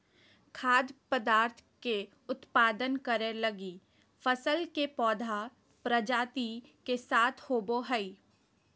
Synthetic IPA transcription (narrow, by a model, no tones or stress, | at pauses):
kʰaːd̪pəd̪aːɾt̪ʰke | ʊt̪paːd̪ənkəɾẽlɐɡiː | fəsəlkepɔːd̪ʱa | pɾəd͡ʒaːt̪ikesaːt̪ʰhoːboɦəi